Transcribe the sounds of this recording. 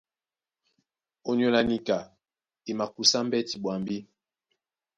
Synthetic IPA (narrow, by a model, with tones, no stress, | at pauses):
o˨ɲo˨la˨ni˦ka˨ | i˨ma˨ku˨sa˦m̩˦bɛ˦ti˨ɓwa˨mbi˦